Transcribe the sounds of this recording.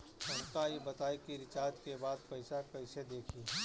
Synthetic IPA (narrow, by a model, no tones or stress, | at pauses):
sɐ̃ŋkaebɐt̪aːekiɾɪt͡ʃaːd͡ʒ̪kebaːd̪pɛɪsakɐɪsed̪eːkʰiː